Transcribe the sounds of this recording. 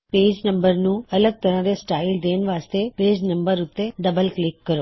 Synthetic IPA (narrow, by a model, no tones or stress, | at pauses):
peːd͡ʒnəmbəɾnũɐləɡ̚t̪əɾãɾesʈaːild̪eːnʋaːst̪epeːd͡ʒnɐ̃mbəɾʊt̪ːeɖəbəlklɪkːəɾo